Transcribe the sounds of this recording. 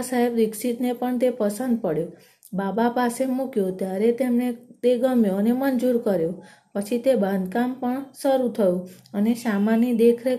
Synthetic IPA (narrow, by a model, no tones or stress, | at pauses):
saɦebɾɪksit̪nepəɳt̪epəsənd̪̚pəɽjo | babapasemukjot̪jaɾet̪emnet̪eɡəmjoənemənd͡ʒuɾkəɾjo | pət͡ʃʰit̪ebãnd̪kampəɳsəɾut̪ʰəjũənesamanid̪ekʰɾe